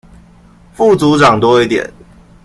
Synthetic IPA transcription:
fu˥˨t͡su˨˦ʈ͡ʂɑ˨˩ŋt̪wɔ˥˦i˥˩t̪jɛ̰˨˩˦n

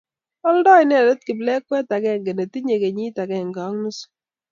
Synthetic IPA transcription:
ɔ˦ldɔ˦jnɛ˨dɛ˦t̚ki˨blɛ˦kwɛ˦ta˨kɛ˦ŋɡe˨ne˨ti˦ɲe˨ke˨ɲi˦ta˨kɛ˨ŋɡɑ˨˦ŋnu˦s

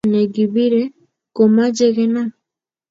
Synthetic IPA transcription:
nɛ˨ɡi˨bi˦ɾɛ˦ | kɔ˨ma˦d͡ʒɛ˦ɣɛ˦na˦

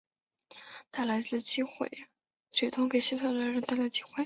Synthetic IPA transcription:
t̪a˥˩ɪla˧˥ɪt͡sɹ̩˥˧˩t͡ɕi˥˩xwḛ˨˩˦ɪ | t͡ɕɥɛ˨˧˥t̪ʰʊ˥ŋke˨˩ɪɕi˥t̪ʰɑ˨˩la˧˥ɻə˧˥nt̪a˥˩ɪla˧˥t͡ɕi˥˩xwe˥˩

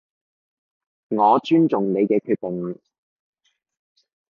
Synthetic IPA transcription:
ŋɔː˨˧t͡ʃyː˥nt͡sʊ˨ŋne˨˧jkɛː˧kʰyː˧t̚pʊ˨˩ŋ˨

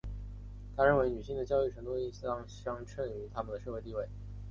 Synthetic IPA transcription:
t̪ʰa˥ɻə˥˩nwe˧˥ɪny˨˩ɕi˥˩ŋd̪ə˩t͡ɕjɑ˥ʊy˥˩ʈ͡ʂʰɤ˧˥ŋt̪u˥i˥˩ɕɑ˥ŋɕɑ˥ŋʈ͡ʂʰə˥˩ny˧˥t̪ʰa˥mə˨nd̪ə˩ʂɤ˥˧xe˥˧ɪt̪i˥˧we˥˩ɪ

